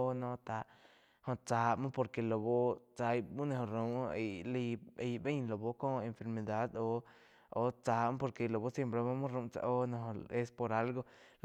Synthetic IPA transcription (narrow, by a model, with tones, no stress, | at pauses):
nõ˧t̪a˧ | hõ˧t͡sa˨˧mõ˦po˧ɾke˨lo˨bo˦t͡sa˧jmu˦nẽ˧ɦõ˨ɾũ˧e˨li˧e˧jbe˦ɲlo˨bo˧ko˦e˧nfe˧ɾme˧d̪a˦d̪o˧ | o˧t͡sa˧m˦po˧ɾke˧˨lo˨bo˦sje˧mpɾe˧ma˦mu˦ɾũ˧˦t͡sa̰˧ʔo˦nõ˧ɦõ˧e˧spo˧ɾa˧˦lɡo˧ | l